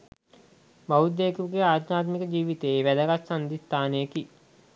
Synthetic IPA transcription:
baud̪ːeːkuɡeaːd̪naːt̪mikəd͡ʒiːʋit̪eːʋæləɡassand̪ist̪aːneeki

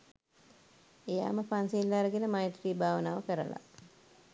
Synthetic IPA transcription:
eja̰ːməpansiːlːaːɾəɡenəmajʈ̪ɾiːbʱaːʋənaːʋəkəɾə̰la̰

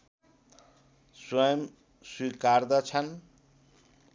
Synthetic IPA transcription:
swʌjʌm | swikaɾd̪ʌt͡sʰʌn

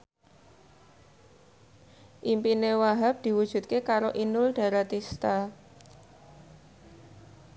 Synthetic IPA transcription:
ʔimpinewaɦap̚d̪̥i̤wud̥ʒ̥ṳt̪̚kekaɾoʔinʊlɖ̥a̤ɾat̪ist̪a

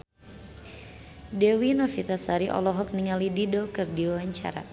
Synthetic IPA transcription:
dɛwinɔfit̪asaɾiʔɔ̰lɔɦɔk̚niŋalididokɨrdiwawaɲt͡ʃa̰ɾa̰

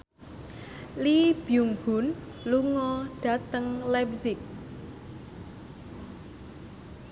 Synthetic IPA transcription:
lib̥ijuŋhun | luŋɔɖ̥a̤t̪əŋlɛpzɪk̚

